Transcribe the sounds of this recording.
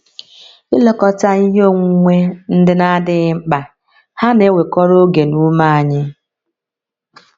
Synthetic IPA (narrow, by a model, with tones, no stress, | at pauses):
ɪ˦lɔ˨kɔ˨ta˦i˦ɦo˦˨ŋʷu˦ŋʷe˦n̩˦dɪ˦na˦dɪ˦ŋ͡m̩˦k͡pa˨ | ha˦ne˦we˨kɔ˦ɾo˦ɡe˨nu˦ma˦a˨ɲɪ˦